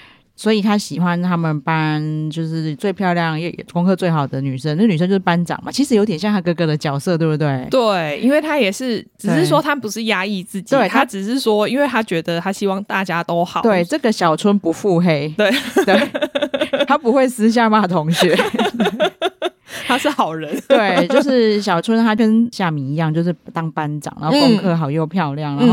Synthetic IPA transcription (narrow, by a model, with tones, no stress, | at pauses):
swɔ˧˥i˨˩t̪ʰa˥ɕi˨˩xwa˦nt̪ʰa˥mə˨npa˦nt͡ɕjo˥˧ʊʂɻ̩˥˩t͡swe˥˧ɪpʰjɑ˥˧ʊljɑ˥˨ŋjɛ˥˩j̰koʊ˥ŋkʰɤ˥t͡swe˥˩ɪxɑ˨˩ʊd̪ə˩ny˨˩ʂə˦nə˥˩˨ny˨˩ʂə˥˧t͡ɕjo˥˧ʊʂ̩˥˩pa˦nʈ͡ʂɑ̰˨˩ŋma̰˨˩t͡ɕʰi˧˥ʂ̬ɻ̩˧˥jo˧˥t̪̬ɛ˨˩ɕjɑ˥˧ŋt̪ʰa˥kɤ˥˧˩kɤ˧d̪ə˨˩t͡ɕjɑ˨˩ʊsɤ˥˧t̪wbt̪we˥˩ɪt̪we˥˨˩ɪḭ˥nwe˥˩ɪt̪ʰa˦˥jɛ˨˩ʂɻ̩˥˩ʈ͡ʂɻ̩˨ʂɻ̩˥˩swɔ˦t̪ʰa˥pu˧˦ʂɻ̩˥˩ja˥i˥˧t͡sɹ̩˥˩t͡ɕiwe˥˩t̪ʰa˥ʈ͡ʂɻ̩˨˩ʂɻ̩˥˩swɔ˥i˥nwe˥˩ɪt̪ʰa˦˥t͡ɕɥɛ˧˥d̪ə˨˧t̪ʰa˥ɕi˥wɑ˥˧ŋt̪a˥˩t͡ɕja˥t̪o˥ʊxɑ˨˦t̪we˥˩ɪʈ͡ʂɤ˥˩ɡə˨ɕjɑ˨˩ʊt͡sʰwə˥npu˧˦fu˥˧xe˥ɪt̪we˥˩ɪt̪we˥˩ | t̪ʰa˥pu˧˥xwe˥˩ɪsɹ̩˥ɕ̬ja˥˧ma˥˩t̪ʰʊ˧˥ŋɕɥɛ˧˦ | t̪ʰa˥ʂɻ̩˥˩xɑ˨˩ʊɻə˨˦nt̪e˥˩ɪt͡ɕjo˥˧ʊʂɻ̩˥˩ɕjɑ˨˩ʊt͡sʰwə˦˥nt̪ʰa˥ə˥nɕja˥˩mi˨˩i˧˦jɑ˥˧ŋt͡ɕjo˥˧ʊʂ̬ɻ̩˥˩˨t̪ɑ˥ŋpa˦nʈ͡ʂɑ̰˨˩˦ŋn̰˧˥˧kʊ˥ŋkʰɤ˥˧˩xɑ˨˩ʊjo˥˧ʊpʰjɑ˥˧ʊljɑ˥˩ŋna˧˦˥